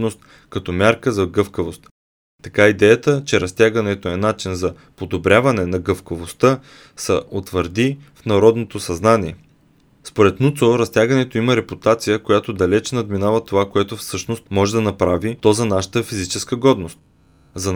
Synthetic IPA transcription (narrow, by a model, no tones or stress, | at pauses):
nost̪̚ | kɐt̪ɔmʲjaɾkəzɐɡɤfkəvost̪ | t̪ɐkaid̪ɛjət̪ət͡ʃɛɾɐst̪ʲjaɡɐnɛt̪oɛnat͡ʃinzɐ | pod̪obɾʲavɐnɛnɐɡɤfkəvost̪ə | sɐʔot̪vəɾd̪ifnɐɾɔd̪not̪osɐznaniɛ | spoɾɛt̪nut̪soɾɐst̪ʲjaɡənɛt̪oimɐɾɛput̪at̪sijəkojat̪od̪ɐlɛt͡ʃnɐd̪minavɐt̪ovakoɛt̪ofsɤʃnost̪mɔʒɛd̪ɐnɐpɾavit̪ɔzɐnaʃə̥t̪əfizit͡ʃɛskəɡɔd̪nost̪̚ | zɐn